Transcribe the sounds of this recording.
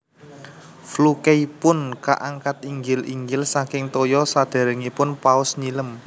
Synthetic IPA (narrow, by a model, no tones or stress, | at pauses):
flukeipʊnka̰ʔaŋkat̪̚iŋɡɪliŋɡɪlsakɪŋt̪ojɔsad̪̥a̤ɾəŋipʊnpaʊsɲiləm